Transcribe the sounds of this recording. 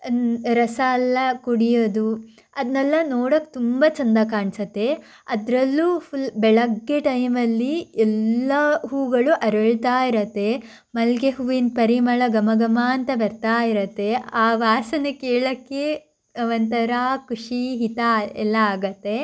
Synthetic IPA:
ɾɐsɐːlːɐkuɽijod̪u | ɐd̪nɛlːɐnoːɽokːe̥t̪umbɐt͡ʃɐnd̪ɐkaːɳsɐt̪ːe̞ | ɐd̪ɾɐlːupʰulbɛɭɐɡːeʈɐjmɐlːiɛlːɐɦuːɡɐɭuʔɐɾɐɭt̪aːiɾɐt̪ːe̞ | mɐlɡeɦuʋinpɐɾimɐɭɐɡɐmɐɡɐmaːɐnt̪ɐbɐɾt̪aːiɾɐt̪ːe̞aːʋaːsɐnukeːɭɐkːe | ɐʋɐnt̪ɐɾaːkuʂiɦit̪aɛlːɐaːɡɐt̪ːe̞

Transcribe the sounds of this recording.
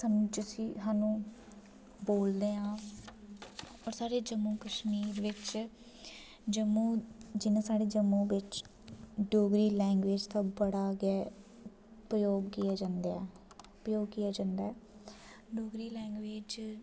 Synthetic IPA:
səmd͡ʒsiːɦaːnũː | boːld̪eːɦãː | ɔːɾsaːɽeːd͡ʒəmːũːkəʃmiːɾʋɪt͡ʃ | d͡ʒəmũːd͡ʒɪnãːsaːɽeːd͡ʒəmũːʋɪt͡ʃ | ɖoːɡɾiːlɛ̃ːŋɡʋeːd͡ʒt̪ãːbəɽaːɡɛː | pɾəjoːɡkijaːd͡ʒãːnd̪ɛ | pɾəjoːɡkijaːd͡ʒãːnd̪aːɛː | ɖoːɡɾiːlɛ̃ːŋɡʋeːd͡ʒ

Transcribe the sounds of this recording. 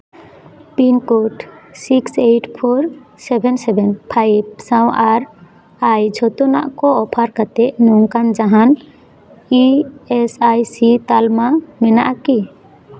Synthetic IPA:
pinkoʈsikseʈʰpʰɔɾsɛbʱɛnsɛbʱɛnpʰajbsãwʔaɾ | ajd͡ʒʱɔt̪ɔna̰ʔkɔɔpʰaɾkat̪ɛʔnɔŋkand͡ʒaɦan | iɛsajsit̪almamɛna̰ʔki

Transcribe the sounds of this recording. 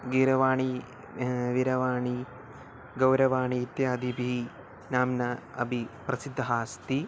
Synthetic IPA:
ɡiɾɐʋaːɳi | ʋiɾɐʋaːɳi | ɡɐwɾɐʋaːɳiːt̪jaːd̪ʱibʱi | naːmnɐɐ̰bʱiprɐsid̪ʱːɐɦaːst̪i

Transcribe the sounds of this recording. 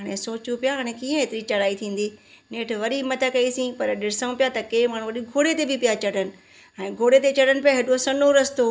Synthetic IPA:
ɦaːɽ̃esoːt͡ɕupjaɦaːɽ̃ẽkiːə̃ɦeːt̪ɪɾit͡ɕɐɽaːit̪ʰĩːn̆d̪iː | neːʈʰʋɐɾimɐt̪əkɐisĩpɐɾɗɪɽɪsə̃ũpijat̪ɐkeːmaːɽ̤̃uʋɐɗiɡʱoːɽet̪ebɪpijat͡ɕɐɽənɪ̆ | ɛ̃ːɡʱoːɽet̪et͡ɕɐɽənɪ̆pijaɦeːɗosɐnoɾɐst̪o

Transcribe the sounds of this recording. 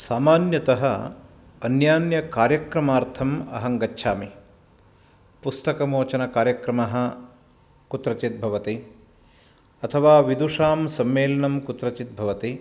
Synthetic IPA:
saːmaːnjɐt̪ɐɦɐ | ɐnjaːnjɐkaːɾjɐkɾɐmaːɾt̪ʰɐmɐ̰ɦɐŋɡɐtːʃʰaːmi | pust̪ɐkɐmoːt͡ʃɐnɐkaːɾjɐkɾɐmɐɦɐ̆ | kut̪ɾɐt͡ʃit̪̚bʱɐʋɐt̪i | ɐt̪ʰɐʋaːʋid̪uʂaːmsɐmːeːlɐnɐmkut̪ɾɐt͡ʃit̪̚bʱɐʋɐt̪i

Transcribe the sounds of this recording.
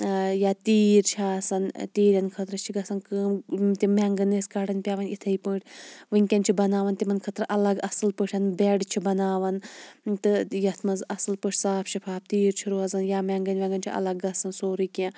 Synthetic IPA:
jaːt̪iːɾt͡ʃʰaːsɐnt̪iːɾʲɐnkʰɐt̪ɾɨt͡ʃʰiɡɐsɐnkəːmt̪imʲaŋɡɐneːskɐɽɐnʲpʲaːʋɐnit̪ʰɐipɨːɳʈʰʲʋɨŋʲkʲɐnʲt͡ʃʰibɐnaːʋɐnt̪imɐnkʰɐt̪ɾʔɐlɐɡɐsɨlpəʈʰʲɐnbeɖt͡ʃʰibɐnaːʋɐnt̪ɨjɐt̪ʰmɐzɐsɨlpɨʂʰʲsaːpʰʃipʰaːp̚t̪iːɾt͡ʃʰiɾoːɐzɐnjaːmʲaːŋɡɐnʲʋʲaŋɡɐnʲt͡ʃʰḭʔɐ̰lɐɡːɐsɐnsoːɾikʲã

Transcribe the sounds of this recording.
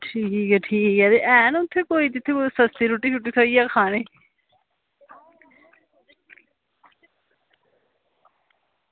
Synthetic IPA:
ʈʰiːkɛːʈʰiːkɛːd̪eʔɛːnʊt̪ʰːeːkoːiːt̪ɪt̪ʰːeːkosəst̪iːɾuʈːiːt͡ʃʰʊʈːiːsaːiːaːkʰaːneː

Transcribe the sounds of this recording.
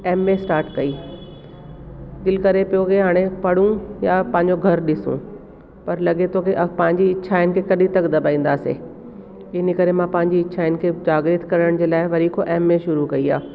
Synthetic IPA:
eːmːẽsʈaːɾʈkɐiː | d̪ɪlkɐɾepijokʰeɦaːɽ̃epɐɽ̤ũjapɐ̃ɦɪ̃ɲ̆d͡ʑoɡʱɐɾɗɪsṵ̃ | pɐɾlɐɠet̪ʰokeʔɐpɐ̃ɦɪ̃ɲd͡ʑiɪʃʰaːɪnɪ̆kʰekɐɗĩt̪ɐkd̪ɐbʱaːĩːn̆d̪aːsḛ | ɪnikɐɾemãpɐ̃ɦɪ̃ɲd͡ʑiːt͡ɕʰaːɪnɪ̆kʰeːd͡ʑaːɡɾɪt̪ʰkɐɾəɽ̃d͡ʑeːlaːɪʋɐɾikʰoʔeːmːẽʃʊɾukɐia̰ː

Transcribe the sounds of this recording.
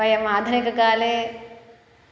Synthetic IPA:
ɐjɐmaːd̪ʱɐnikɐkaːleː

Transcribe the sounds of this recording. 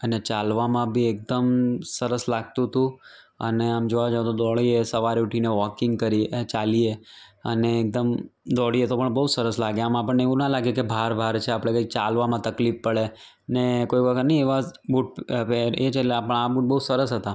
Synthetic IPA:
ənet͡ʃalʋamãbʱiek̚d̪əmsəɾəslaɡ̚t̪ũt̪ũ | ə̰neamd͡ʒoʋad͡ʒaõt̪od̪ɔɭiesəʋaɾeuʈʰineʋɔkɪ̃ŋɡ̚kəɾiet͡ʃalieə̰neːk̚d̪əmd̪ɔɽiet̪opəɳbəusəɾəslaɡjamaapəɳneʋũnalaɡekebʱaɾbʱaɾt͡ʃʰeapɽ̃ekəik̚t͡ʃalʋamãt̪əklifːəɭe | nekoiʋəɡəɾnəĩeʋabuʈ̚peɾet͡ʃʰeleapəɳabuʈ̚bəusəɾəsɦət̪a

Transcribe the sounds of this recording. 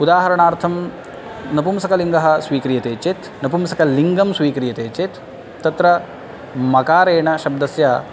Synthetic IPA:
ud̪aːɦɐɾɐɳaːɾt̪ʰɐm | nɐpumsɐkɐliŋɡɐɦɐ̆swʋiːkɾijɐt̪eːt͡ʃet̪nɐpumsɐkɐliŋɡɐmsʋiːkɾijɐt̪eːt͡ʃet̪ː | ɐt̪ɾɐ | mɐkaːɾeːɳɐʃɐb̚d̪ɐsjaː

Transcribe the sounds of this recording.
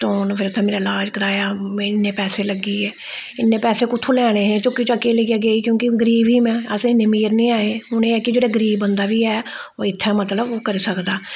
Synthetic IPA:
ʈoːnpʰɪɾt̪ʰãːmeːɾaːlaːd͡ʒkəɾaːjaːmɛ̃ɪnːẽːpɛːseːləɡiːɛː | ɪnːẽːpɛːseːkʊt̪ʰũːlɛːɽ̃eːɦɛ̃ːt͡ʃʊkːiːt͡ʃoəkeːleiaːɡeːiːkjõːkɪɡəɾiːbiːmɛ̃ːəsːɪnːẽːmiːɾnĩːaːeːɦʊneːɛːkɪd͡ʒeːɽaːɡəɾiːbːənd̪aːʋiːɛː | oːɪt̪ʰːɛ̃ːmət̪ləbkəɾiːsəkd̪aː

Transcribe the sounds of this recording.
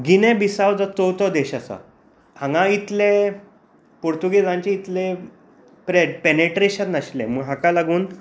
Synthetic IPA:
ɡinɛ̃bisawd͡zɔt͡sɔwt̪ɔd̪ɛɕasa̰ | hãŋɡãit̪le | poɾt̪uɡed͡zãɲt͡ɕẽit̪le | pɾeɖpeneʈɾeɕənːaɕlḛ̃məɡɦãkalaɡuːn

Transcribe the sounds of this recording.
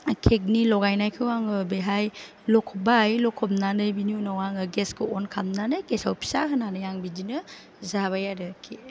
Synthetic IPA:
kʰek̬̚nilɔɡajnajkʰɯwaŋɯbeɦaj | lɔkʰɔbajlɔkʰɔpnanɯjbinjunɔwaŋɯɡeskɯɔnkʰamnanɯkesawpʰi̥saɦɯnanɯjaŋbidinɯ | zaβajaɾɯkʰe

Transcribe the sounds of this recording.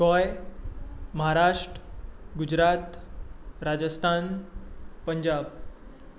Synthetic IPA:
kɔj | məɦaɾaʂʈəɡud͡ʑɾat̪ | ɾad͡ʑəst̪ʰan | pəɲd͡ʑab

